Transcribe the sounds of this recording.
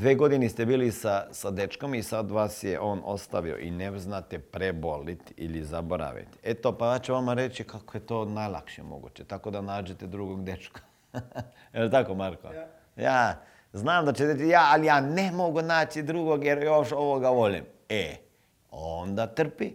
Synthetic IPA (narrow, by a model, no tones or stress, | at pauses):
d̪ʋeːɡo̞d̪inist̪ebiːlisasad̪et͡ʃko̞misad̪ʋaːsjḛʔo̞ːno̞̰st̪aʋio̰ʔḭneznat̪epɾebo̞lit̪ḭlizaboɾa̰ʋḭt̪et̪opajaːt͡ʃuʋamaɾet͡ɕikakojet̪oːnajlˠa̰kʃiḛmo̰ɡṵt͡ɕet̪ako̞d̪anaːd͡ʑet̪ed̪ɾuɡoɡd̪et͡ʃkḁ | jelt̪akomaɾko̰ | jaː | znaːmd̪at͡ʃed̪et̪ijaːalijaːnemo̞ɡunaːt͡ʃid̪ɾuɡoɡjeɾjoʃo̞ʋoɡaʋo̞ʎim | e | ond̪at̪r̩pi